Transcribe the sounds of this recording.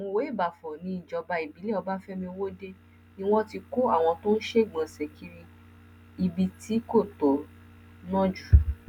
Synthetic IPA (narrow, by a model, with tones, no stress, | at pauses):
a˨w̃ɔ̃˧we˨˦i˦˨ba˨fɔ̃˨nĩ˨˧˦n̩˨d͡ʒɔ˧ba˧i˨bi˨˦le˦ɔ˧ba˦n̩˦fɛ˦mĩ˧wo˦de˦ | nĩ˧w̃ɔ̃˦ti˧ko˦a˦˨w̃ɔ̃˧to˦n̩˦ʃe˦˨ɡ͡bã˨sɛ˨kʰi˧ɾĩ˧ | i˧bi˧tʰi˨˦ko˦˨to˨ | nã˦d͡ʒu˨